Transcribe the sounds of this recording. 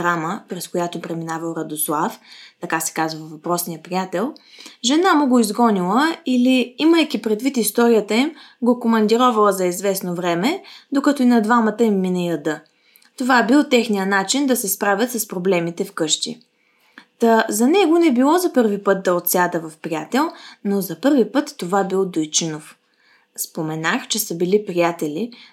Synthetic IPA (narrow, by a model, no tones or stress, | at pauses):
ɾaməpɾɛskojat̪opɾɛminavɐlˠɾɐd̪oslˠaft̪ɐkasɛ̥kazvəvɐpɾɔsnijəpɾiat̪ɛlˠ | ʒɛnamʊɡoizɡɔnilˠəiliiməjkipɾɛd̪vit̪ist̪ɔɾijət̪əim | ɡokomɐnd̪iɾɔvɐlˠəzɐizvɛsnovɾɛmɛd̪okɐt̪oinɐd̪vamət̪əimːinəiəd̪ɤ | t̪ovaɛbilˠt̪ɛxnijənat͡ʃind̪ɐsɛspɾavʲət̪sɐspɾoblɛmit̪ɛfkɤʃt̪ḭ | t̪əzɐnɛɡonɛbilˠɔzɐpɤɾvipɤt̪̚d̪ɐot̪sʲad̪əvɐfpɾʲiat̪ɛlˠnozɐpɤɾvipɤt̪ːovabilˠd̪ojt͡ʃinof | spomɛnaxt͡ʃɛsəbilipɾijat̪ɛli